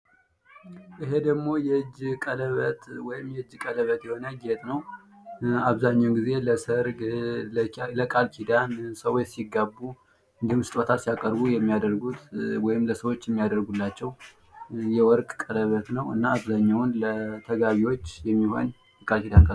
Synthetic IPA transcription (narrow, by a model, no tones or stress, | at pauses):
ʔɨɦe̞d̪əɡmo̞jɛd͡ʒkʼələβət̪wɔjɪmjɛɨd͡ʒːkʼələβət̪jɛho̞nəɡet̪ʼnəw | aβzaɲːawnɡize̞ləsəɾɡ | ləkʼalkʰid̪ansəwot͡ʃːsiɡːabːu | ɡ̪ɨmsɨ̥t̪ʼot̪ʰasijakʼəɾbujɛmːijad̪əɾɡut̪wɔjɪmləsəwo̞t͡ʃːjɛmːijad̪əɾɡulːat͡ʃːɛw | jɛwɔɾkʼkʼələβət̪nəwɨ̰nːaːβzaɲːawunlət̪ʰəɡaβiwo̞t͡ʃːjɛmːiho̞̰n | kʼalkid̪ankʰə